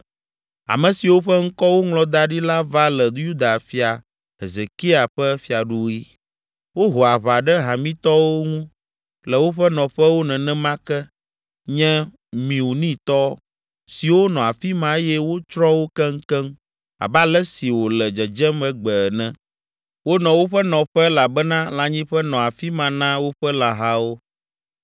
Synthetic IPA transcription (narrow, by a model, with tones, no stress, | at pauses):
a̰˨mɛ̃˨si˨wo˦ɸɛ˦ŋ̩˦kɔ˦wo˦ŋlɔ̃˦d̪a˦ɖi˦la˦va˦lɛ˨d̪u˦ju˦d̪a˨fi˨a˨ | ɦe˨ze˨ki˦a˨ɸɛ˦fi˦a˨ɖu˦i˦ | wo˦ɦo˨a˨βa˨ɖɛ˦ɦã˨mĩ˦t̪ɔ˦wo˦ŋũ˦ | lɛ˨wo˦ɸɛ˦nɔ̃˨ɸɛ˦wo˦nɛ̃˨nɛ̃˦mã˦kɛ˦ | ɲɛ̃˦ | mĩ˨wu˨nĩ˦t̪ɔ˦ | si˨wo˦nɔ̃˨a˨fi˦mã˦e˦jɛ˦wo˦t͡ʃɾɔ˦wo˦kɛ˦ŋ˦kɛ˦m | a̰˨ba˦lɛ˦si˨wo˨lɛ˨d͡ʒɛ˨d͡ʒɛ˦mɛ˦ɡ͡bɛ˨nɛ̃˦ | wo˦nɔ̃˨wo˦ɸɛ˦nɔ̃˨ɸɛ˦la˨bɛ˦nã˦la˨ɲĩ˦ɸɛ˦nɔ̃˨a˨fi˦mã˨nã˦wo˦ɸɛ˦la˨ɦa˦wo˦